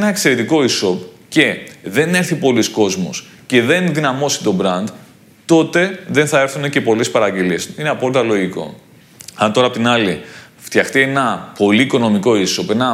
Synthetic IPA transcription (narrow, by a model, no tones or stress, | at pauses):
enɐekse̞ɾet̪iko̞iso̞p | ce̞ðe̞ne̞ɾθipo̞lisko̞zmo̰s | ce̞ðe̞nðinɐmo̞si̥t̪o̞bɾɐnd̪ | t̪o̞t̪e̞ðenθɐe̞ɾθune̞ce̞po̞lespɐɾɐɟe̞liesineɐpo̞lit̪ɐlo̞ʝiko̞̰ | ɐnt̪o̞ɾɐpot̪inɐli | ft̪çɐxt̪ienɐpo̞liːko̞no̞miko̞iso̞pe̞nɐ